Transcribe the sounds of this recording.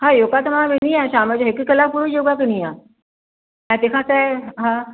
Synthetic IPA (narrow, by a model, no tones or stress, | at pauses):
hãjoːkat̪ɐmãʋeniãʃaːməd͡ʑoɦɪkkɐlapuɾojoːɡakɐniãː | ɛ̃ːt̪ẽːkʰãsɛɦãː